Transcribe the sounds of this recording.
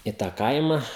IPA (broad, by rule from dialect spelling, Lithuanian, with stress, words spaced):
ɪ ˈtɑː ˈkɐɪmɐ